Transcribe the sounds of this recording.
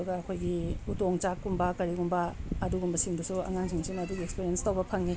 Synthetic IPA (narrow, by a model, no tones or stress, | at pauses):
uɡɐːkʰojɡiutoŋt͡ʃakːumbɐkɐɾiɡumbɐɐduɡumbɐsiŋdusua̰ŋaŋsʰiŋsimɐduɡiekspiɾienstɐwbɐpʰɐŋːi